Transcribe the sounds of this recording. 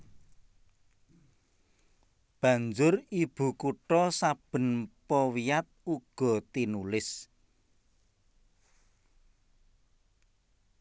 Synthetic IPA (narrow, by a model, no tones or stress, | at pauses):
b̥ä̤ɲd͡ʒʊrib̥ṳkuʈɔsab̥ə̤npɔwiat̪̚uɡ̥ɔ̤t̪inulɪs